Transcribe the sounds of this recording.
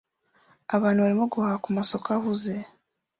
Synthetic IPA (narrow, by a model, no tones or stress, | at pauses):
aβaːnuβaɾimoɡohakumaso̞kaɦuze̞